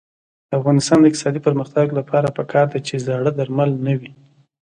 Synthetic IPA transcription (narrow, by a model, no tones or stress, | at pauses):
d̪̥əafɣɑnɪst̪ɑnd̪əɪk̚t̪ɪ̥sɑd̪ipəɾməxt̪aɡlapʰɑɾapəkʰɑɾd̪at͡ʃezaɽəd̪aɾmalnəwi